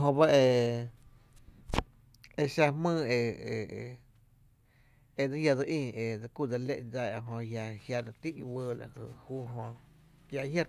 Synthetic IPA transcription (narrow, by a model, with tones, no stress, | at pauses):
ɦõ˧ba˦e˧ | e˧ʃa˧mɨ̃ː˦˧e˧e˧˨˧ | e˧d͡za˦ja˧do˧ʔĩː˧˨e˧d͡za˧ku˧˨d͡za˧le˦ʔd͡za˧˨a˧ɦõ˧hja˧hja˧ɾa˧t̪i˦ʔi˧wəː˧˨la̰˨hɨ̰˧˨huː˦˨ɦõ˧ | ja˧hja˧